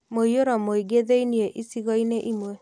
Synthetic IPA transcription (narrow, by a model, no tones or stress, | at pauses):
moioɾɔmoiɡeðeinieʔisiɣɔineʔimwe